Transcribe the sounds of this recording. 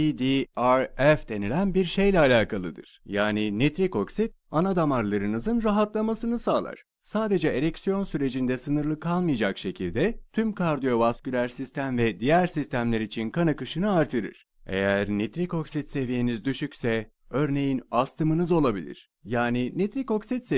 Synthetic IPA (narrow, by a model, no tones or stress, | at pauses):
id̪iaɾɛfd̪e̞nilʲænbiɾʃe̞jlʲɛalʲaːkʰalˠɯd̪ɯ̰ɾ̥jaːninit̪ɾiko̞ksit̪̚ | anad̪amaɾlˠaɾɯnɯzɯnɾaɦat̪lˠamasɯnɯsaːlˠa̰ɾ̥ | saːd̪e̞d͡ʒɛeɾecsijo̞nsyɾe̞d͡ʒind̪ɛsɯnɯɾlˠɯkʰalˠmɯjad͡ʒakʃe̞cʰilʲd̪ɛt̪ʰymkʰaɾd̪ijo̞vascylʲæɾsist̪ʰæmvɛd̪ijæɾsist̪ʰæmlʲeɾit͡ʃʰinkʰanakɯʃɯnɯaɾt̪ʰɯɾɯ̰ɾ̥ | e̞̰jæɾnit̪ɾiko̞ksit̪se̞vijenizd̪yʃycʲsɛ | ø̞ɾne̞jinast̪ʰɯmɯnɯzo̞lˠabilʲḭɾ̥ | jaːninit̪ɾiko̞ksit̪se